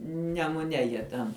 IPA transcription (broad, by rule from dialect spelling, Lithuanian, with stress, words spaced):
nʲɛmʊˈnʲɛ ˈjiɛ tʲɛn